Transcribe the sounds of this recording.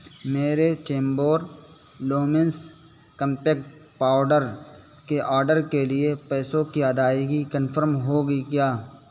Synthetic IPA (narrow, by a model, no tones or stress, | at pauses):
meːɾet͡ʃẽːmboːɾ | loːmɪ̃ns | kə̃mpeːkʈpaːʊɖəɾ | keʔaːɾɖəɾkeliepɛːsõkiɐd̪aːiɡikə̃nfʰəɾmɦoɡəikjaː